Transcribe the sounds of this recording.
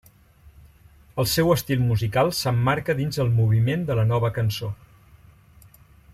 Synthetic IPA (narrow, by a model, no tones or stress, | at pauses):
əlˠsɛwəst̪ilˠmuzikalˠsəmːaɾkəðinzðəlˠmuβ̞imend̪ələnɔβ̞əkənso